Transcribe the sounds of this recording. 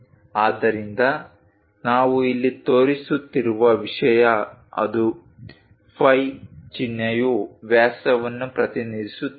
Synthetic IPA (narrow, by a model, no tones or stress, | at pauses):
aːd̪ɐɾind̪ɐ | naːʋuilːit̪oːɾisut̪ːiɾuʋɐʋiʂɐjɐɐ̰d̪u | pʰɐjt͡ʃinjɐjuʋjaːsɐʋɐnːupɾɐt̪inid̪isu